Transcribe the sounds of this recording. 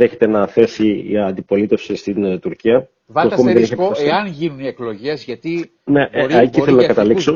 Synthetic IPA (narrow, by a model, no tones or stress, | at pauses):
eçe̞t̪e̞nɐθe̞sḭːɐnd̪ipo̞lit̪e̞fsist̪int̪uɾciɐ | ɐkumiðeniçikɐɐsɐnʝinuniekloʝezʝɐt̪i | neʔciθelonɐkɐt̪ɐlikso